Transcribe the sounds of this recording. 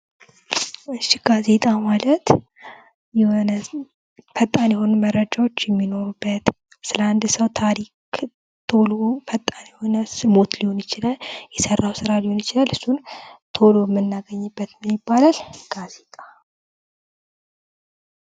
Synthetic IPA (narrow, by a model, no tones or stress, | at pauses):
ɨʃiɡ̥aze̞t̪ʼamalət̪ | n | fət̪ʼːanjɛho̞numərːəd͡ʒawot͡ʃːjɛmːino̞ɾubːət̪ | sɨləand̪səwt̪ʰaɾik | t̪ʰo̞lofət̪ʼːanjɛho̞nəsɨmot̪liho̞njɪt͡ʃɪlaljɛsərːawsɨɾaliho̞njɪt͡ʃɪlalɨsːunt̪ʰo̞lojɛmːɨnːaɡəɲːɨbːət̪mɨnjɪbːalalɡ̥aze̞t̪ʼḁ